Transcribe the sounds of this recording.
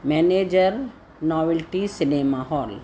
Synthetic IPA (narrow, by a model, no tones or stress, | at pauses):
mɛneːd͡ʒəɾ | nɔːʋilʈisɪnemaɦɔːl